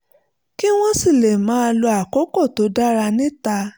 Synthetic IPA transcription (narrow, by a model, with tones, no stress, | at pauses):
ki˦w̃ɔ̃˦si˦˨le˨mãː˨˦˧lo˧a˨kɔ˨˦kɔ˦˨to˨˦da˦ɾa˧nĩ˦ta˧